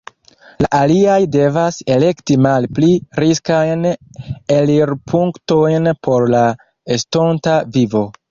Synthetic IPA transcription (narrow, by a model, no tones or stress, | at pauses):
laʔaliajde̞vase̞le̞ktimalpliɾiskajneliɾpʰuŋkto̞jnpʰo̞ɾla | esto̞ntavivo̞